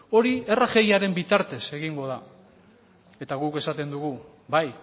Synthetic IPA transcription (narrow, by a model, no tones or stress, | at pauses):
o̞ɾie̞raxe̞jaɾe̞mbit̪aɾt̪e̞se̞ɣiŋɡo̞ða | e̞t̪aɣuke̞sat̪e̞nd̪uɣu | baj